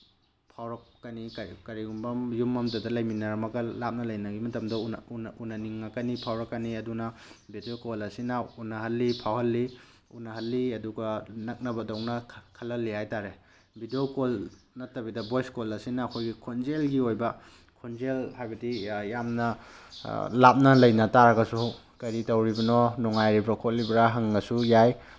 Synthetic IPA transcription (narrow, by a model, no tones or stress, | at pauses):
pʰawɾɐk̚ːɐnikkɐɾiɡumbɐmjumːɐmdɐdɐlɐjminɐɾɐmɐɡɐlap̚nɐlɐjnɐɡimɐtɐmdɐuunɐniŋːakɐnipʰawɾɐkːɐniɐdunɐbideokolɐsinaunɐɦɐlːipʰawhɐlːi | ṵnɐɦɐlːiɐduɡɐnɐk̚nɐbɐdɐwŋnɐkʰɐlɐlːihajtaɾe | bidiokol | nɐtːɐbidɐbojskolɐsinɐːkʰojɡikʰonzelɡiojbɐ | kʰonzelhajbɐdijamnɐ | lap̚nɐlɐjnɐtaɾɐɡɐsu | kɐɾitɐwɾibɐnɔnɔŋajɾibɾakʰotlibɾaɦɐŋːɐsujaj